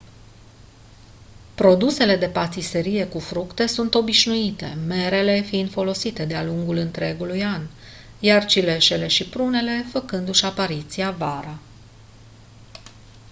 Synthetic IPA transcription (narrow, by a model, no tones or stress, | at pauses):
pɾo̞d̪use̞le̞d̪e̞pat̪ise̞ɾije̞kufɾukt̪e̞sunt̪o̞biʃnuit̪e̞me̞ɾe̞le̞fiɨnd̪fo̞lo̞sit̪e̞d̪ealuŋɡulɨnt̪ɾe̞ɡulujan | jart͡ʃile̞ʃe̞le̞ʃipɾune̞le̞fəkɨnd̪uʃapaɾit̪siavaɾa